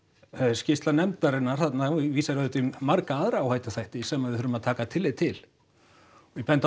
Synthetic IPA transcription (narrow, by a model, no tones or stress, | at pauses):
scɪst̪lanɛmt̪aɾɪnaɾ̥θat̪naviːsaɾaðʏt̪imaɾkaaðɾaːwhaːjt̪ḁθajht̪ɪsɛmaðɪθʏɾʏmaðt̪ʰaːkat̪ʰɪlːɪt̪ʰɪl | vɪpɛnt̪a